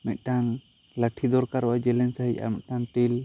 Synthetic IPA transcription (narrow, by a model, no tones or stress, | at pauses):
mɛt̪̚ˀʈan | ləʈʰid̪ɔɾkaɾɔwad͡ʒɛlɛnsaɦica̰mɛ̰t̪̚ˀʈanʈil